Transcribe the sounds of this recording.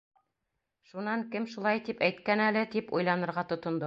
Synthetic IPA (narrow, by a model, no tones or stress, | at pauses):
ʃunɑŋkɘmʃulˠɑjt̪ipæjt̪kænælɘt̪ipujlˠɑnɤ̆ɾʁɑt̪ŏt̪ŏnd̪o